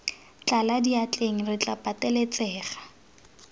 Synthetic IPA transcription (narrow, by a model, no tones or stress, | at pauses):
t͡ɬaladiat͡ɬʼeŋ̩rɪt͡ɬʼapʼatɛlet͡sɛːχḁ